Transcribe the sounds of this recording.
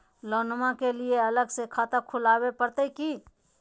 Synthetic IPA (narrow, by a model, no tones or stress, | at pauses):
loːnmãkelieɐləɡsekʰaːt̪əkʰʊlaːwepəɾt̪eki